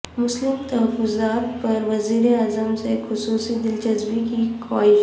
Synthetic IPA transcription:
mʊslɪmt̪ɐɦəfːʊzaːt̪̚pɐɾʋɐziːɾeaːzəmsexʊsuːsid̪ɪld͡ʒɐzbikikwaːɪʃ

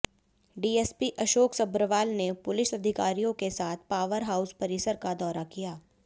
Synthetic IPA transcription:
ɖiːeːspiʔɐʃoːksɐbɾəʋaːlnepʊlɪʃɐd̪ʱɪkaːɾijõkesaːt̪ʰpaːʋəɾɦaːʊspɐɾɪsəɾkad̪ɔːɾakijaː

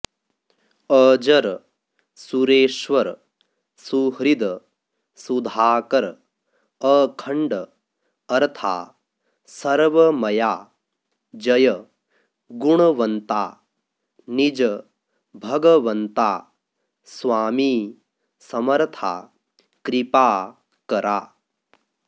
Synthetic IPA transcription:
əːd͡ʒɐɾ | suɾeːʃʋɐɾ | suɦɾid̪ | sud̪ʱaːkɐɾ | ɐːkʰɐɳɖ | ɐɾt̪ʰa̰ː | sɐɾʋɐmɐjaː | d͡ʒɐjɐ | ɡuɳ̃ɐʋɐnt̪aː | nid͡ʒɐ | bʱɐɡɐʋɐnt̪aː | sʋaːmiː | sɐmɐɾt̪ʰa̰ː | kɾipaː | kɐɾʔaː

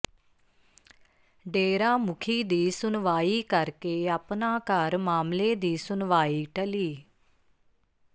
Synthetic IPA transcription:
ɖeːɾãːmʊkʰiːd̪iːsʊnʋaːiːkəɾkeːapnãːkəɾmaːmleːd̪iːsʊnʋaːiːʈəliː

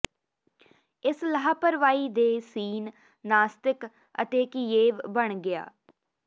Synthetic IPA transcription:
ɪsləɦaːpəɾʋaːiːd̪eːsiːn | naːst̪ɪk | ə̰t̪eːkieːʋbəɳɡɪja̰ː

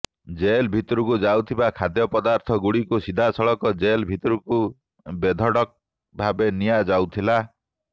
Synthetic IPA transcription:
d͡ʒelbʱit̪ɔɾukud͡ʒawt̪ʰibakʰad̪jɔpɔd̪aɾt̪ʰɔɡuɽikusid̪ʱasɔɭɔkɔd͡ʒelbʱit̪ɔɾuku | bed̪ʱɔɽɔk̚ | bʱabenijad͡ʒawt̪ʰila

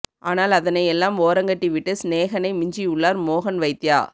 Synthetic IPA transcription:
ʔa̰ːnaːlɐðɐnɐɪɛlːaːmoːɾɐŋɡɐʈːiʋɪʈːɯsneːɣɐnɐɪmɪɲd͡ʒiʊɭːaːɾmoːɣɐnʋɐɪt̪ːɪjaː

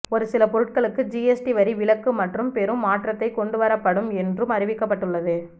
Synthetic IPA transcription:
ɔɾɯsɪlɐpɔɾɯʈ̚kɐɭɯkːɯd͡ʒiːɛsʈiʋɐɾiʋɪɭɐkːɯmɐʈrɯmpɛɾɯmːaːʈrɐt̪ːɐɪkːɔɳɖɯʋɐɾɐpːɐɽɯmɛndrɯmɐɾɪʋɪkːɐpːɐʈːɯɭːɐðɯ

